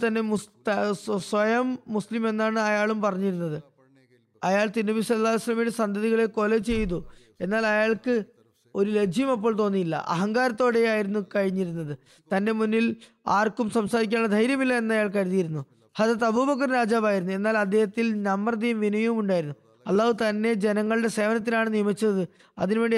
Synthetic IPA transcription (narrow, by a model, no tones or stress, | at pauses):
t̪ɐnːe̞mt̪ɐswɐjɐmːuslime̞nːaːɳɨɐjaːɭumpɐrɐɲːiɾunːɐðɨ | ɐjaːɭt̪inːɐbisɐlːaːlɐjsɐlːɐmiɽesɐnd̪ʱɐðiɣɐɭeko̞let͡ɕe̞jt̪ːu | e̞nːaːlɐjaːɭkɨ | o̞ɾule̞d͡ʑʱjɐmɐp̬ːo̞ːɭt̪o̞ːnːijilːɐ̰ʔɐ̰ɦɐŋɡaːɾɐt̪ːo̞ːɽe̞aːjiɾunːukɐɻiɲːiɾunːɐðɨ | t̪ɐnde̞munːil | aːrkumsɐmsaːɾik̬ʲːaːnɭːɐd̪ʱɐjɾjɐmilːɐe̞nːɐjaːɭkɐɻiðijiɾunːu | hɐd̪ɐt̪ɐbuːbɐk̬ːɐrɾaːd͡ʑaːbaːjiɾunːue̞nːaːlɐd̪ʱːehɐt̪ːilnɐmːrɐd̪ijɐmʋinɐjɐʋumuɳɖaːjiɾunːu | ɐlːaːʋɨt̪ɐnːe̞d͡ʑe̞nɐŋːɐɭɨɽe̞se̞ːʋɐnɐt̪̬ːinaːɳɨnijɐmit͡ɕːɐðɨ | ɐ̰ðinʋe̞ːɳɖi